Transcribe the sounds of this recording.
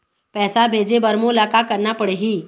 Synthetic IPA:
pɛsabʱed͡zebəɾmolakakəɾnapəɽeɦiː

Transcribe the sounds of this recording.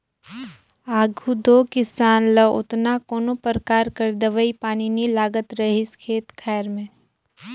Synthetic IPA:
aːɡʱud̪oːkɪsaːnləʔʊ̰t̪nakoːnopəɾkaːɾkəɾd̪əʋəipaːninilaːɡət̪ɾɐɦɪskʰeːt̪kʰɛːɾmẽː

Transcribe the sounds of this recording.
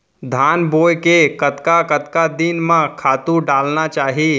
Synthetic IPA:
d̪ʱaːnboːjkekət̪kakət̪kad̪ɪnmãkʰaːt̪ũɖaːlnat͡ʃaːɦiː

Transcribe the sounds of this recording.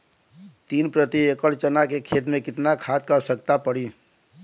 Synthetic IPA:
t̪iːnpɾət̪iekəlt͡ʃənakekʰeːt̪mẽkɪt̪nakʰaːt̪̚kəɾsək̚t̪apəɽi

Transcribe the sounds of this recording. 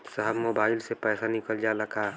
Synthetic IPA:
səɦəbmobaɪlsepɛːsanikəld͡ʒaləkʰa

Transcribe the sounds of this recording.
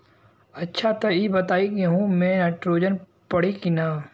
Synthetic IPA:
ɐtːʃʰat̪ɐibɐt̪aːiɡeɦũmɛ̃ːnaːʈɾoːd͡ʒən | pɐɽ̤ikinaː

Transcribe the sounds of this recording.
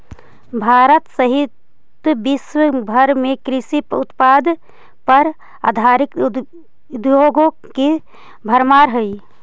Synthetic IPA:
bʱaːɾət̪səɦɪt̪ | bɪswəbʱəɾmẽkɾɪsipʊt̪paːd̪ | pɐɾ | a̰ːd̪ʱaːɾɪk | d̪joːɡõ | ke | bʱəɾmaːɾɦəi

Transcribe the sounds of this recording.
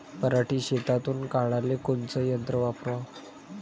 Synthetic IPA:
pəɾaʈiːɕet̪at̪uːnkaɭalekont͡səjənt̪ɾəʋapɾʋa

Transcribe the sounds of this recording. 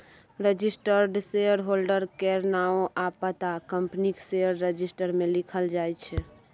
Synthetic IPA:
ɾed͡ʒisʈəɾɖseəɾɦolɖəɾkeɾnaoʔapət̪akəmpnikseəɾːəd͡ʒisʈəɾmelikʰəld͡ʒajt͡ʃʰɛ

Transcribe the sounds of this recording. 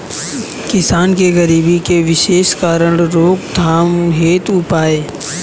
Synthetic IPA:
kɪsaːnkeɣɐɾiːbikeʋɪʃeːʃkaːɾəɽɾoːkd̪ʱaːmɦeːt̪ʊpaːeː

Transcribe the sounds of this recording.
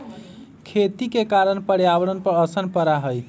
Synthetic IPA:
kʰet̪ikekaɾənpəɽjabəɽənpəɾəsənpəɾaɦəj

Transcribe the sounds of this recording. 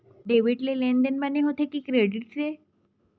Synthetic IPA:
ɖeʋiʈleleɳɖ̪enbaneɦot̪ekiːkɾeɽiʈse

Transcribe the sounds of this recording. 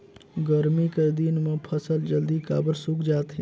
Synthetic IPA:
ɡəɾmikəɾd̪inmẽpʰəsəld͡ʒəld̪ika̰ːbəɾsukd͡ʒaːt̪ɦi

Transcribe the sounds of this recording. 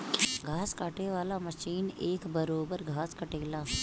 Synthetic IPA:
ɡʱaːskaːʈeʋaːlamɐʃiːneːkbəɾoːbəɾɡʱaːskɐʈeːlaː

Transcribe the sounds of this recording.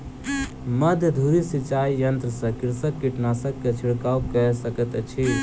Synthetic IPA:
məd̪ʱd̪ʱuɾisit͡ʃaːijənt̪ɾəsəkɪɾsəkːiʈnasəkːet͡ʃʰiɽkaukəsəkət̪t͡ʃʰi

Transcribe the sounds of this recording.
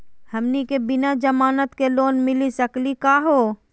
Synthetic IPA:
hɐmnikebɪnad͡ʒɐmaːnət̪keloːnmɪlisɐklikaːɦoː

